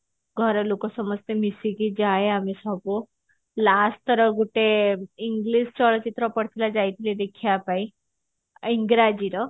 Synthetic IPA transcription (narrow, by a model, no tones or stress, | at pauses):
ɡʱɔɾɔlokɔsɔməst̪emisikid͡ʑaeamisɔbu | last̪əɾɔɡuʈeiŋɡlist͡ɕɔɭɔt͡ɕit̪ɾɔpəɽt̪ʰilad͡zajt̪ʰiled̪ekʰiapaĩ | iŋɡɾad͡ʑiɾɔ